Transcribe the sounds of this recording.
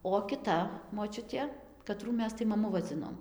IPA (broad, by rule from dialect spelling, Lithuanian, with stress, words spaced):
oː kʲɪˈtɐ moːˈt͡ʃʲʊtʲeː kɐˈtruː ˈmʲɛs tɐɪ mɐˈmʊ ʋɐˈd͡zʲɪnoːm